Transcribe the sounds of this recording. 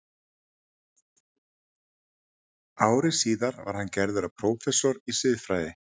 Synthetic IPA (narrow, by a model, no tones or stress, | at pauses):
aːwɾɪsiːðaɾva̰ɾ̥hancɛɾðʏɾapʰɾoːwfɛsɔɾisɪːðfɾajðɪ